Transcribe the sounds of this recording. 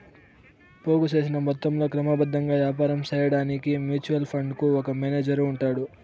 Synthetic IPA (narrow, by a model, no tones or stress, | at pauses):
po̞ːɡut͡ʃe̞ːs̬inɐmɔt̪ːɐmlo̞ːkɾɐmɐbɐd̪ʱːɐŋɡaːʋjaːpaːɾɐmt͡ʃɛːjɐɽaːnikimjuːt͡ʃuʋɐlpʰɐɳɖkuɔkɐmeːneːd͡ʒɐɾuɳʈaːɽu